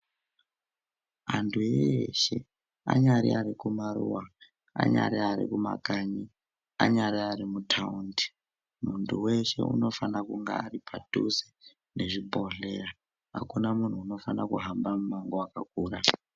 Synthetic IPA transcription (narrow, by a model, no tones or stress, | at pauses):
ɦantʰuejeʃe̞ | a̰ɲaɾiaɾikumaɾṵwa | a̰ɲa̰ɾiaɾḭkuma̰kaɲi | aɲaɾiarimutʰaundi̥ | muntʰuwe̞ʃe̞̰ʔṵno̞fanakuŋɡa̰aripʰadʱuze | ne̞ʐibʱo̞ɮe̞ra | ɦa̰kunamun̤uːno̞fanakuɦambamumaŋɡoakak̚uːra